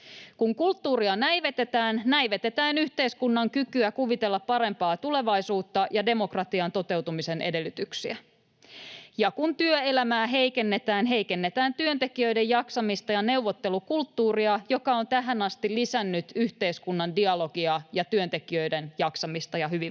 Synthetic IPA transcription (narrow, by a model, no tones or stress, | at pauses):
kuŋkult̪ːuːɾiɑnæjʋe̞t̪e̞t̪æːnnæjʋet̪e̞t̪æːnyçt̪e̞iskunːɑŋkykyækuʋit̪e̞lːɑppɑɾe̞mpɑːt̪ule̞ʋɑjsuːt̪ːɑjɑde̞mo̞krɑt̪iɑnt̪o̞t̪e̞wt̪umise̞nʔede̞lːyt̪yksiæ | jɑkunt̪yøelæmæːɦe̞ijke̞nːe̞t̪æːnɦe̞jke̞nːet̪æːnt̪yønt̪e̞kijø̞jde̞jɑksɑmist̪ɑjɑne̞uʋot̪ːe̞lukult̪ːuːriɑjo̞kɑont̪æɦænɑst̪ilisænːyt̪yht̪e̞iskunːɑndiɑlo̞ɡiɑjɑt̪yønt̪e̞kiø̞jde̞njɑksɑmist̪ɑjɑɦyʋi